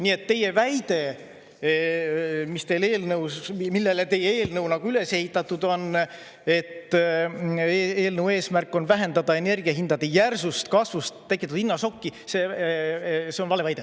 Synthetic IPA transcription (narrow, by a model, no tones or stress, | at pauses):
niːe̞t̪ːe̞je̞væjd̪̥e̞ | mist̪e̞jle̞ːlnɤwsmilːe̞let̪e̞jee̞ːlnɤwnɑɡ̥uyle̞se̞hit̪ːˑɑt̪ːˑud̪̥o̞n | e̞t̪ː | eːlnɤwe̞ːsmærkːˑo̞nvæɦe̞nd̪ɑd̪ɑe̞ne̞rɡ̥iɑɦind̪ɑd̪e̞jærsust̪kɑsvust̪t̪ːekːˑit̪ːud̪̥inːɑso̞kːise | seonvɑle̞vɑjd̪e